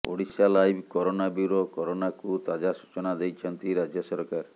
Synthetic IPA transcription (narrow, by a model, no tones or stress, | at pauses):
o̰ɽisalajbʱkɔɾonabiɾɔkɔɾonakut̪ad͡ʒasu̥t͡ʃɔnad̪ejt͡ʃʰɔnt̪iɾad͡ʒjɔsɔɾkaɾ